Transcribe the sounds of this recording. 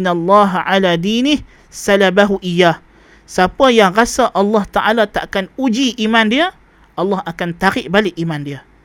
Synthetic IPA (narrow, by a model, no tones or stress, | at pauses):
nalˤːɑɦʕaladinɪh | salabaɦuʔijːah | sapajaŋrasaʔɑlːɑht̪aʔalat̪a̰ʔakanud͡ʒiʔimandiə | ʔɑlːɑhakant̪aɾɪʔbalɪʔimandiə